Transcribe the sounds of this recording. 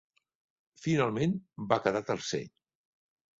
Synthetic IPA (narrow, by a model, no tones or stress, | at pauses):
finalˠmenbakəðat̪əlˠsɛ̰ʎ